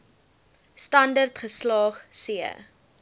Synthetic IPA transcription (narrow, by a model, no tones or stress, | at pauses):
stɐndərtχəslɑːχsiə̰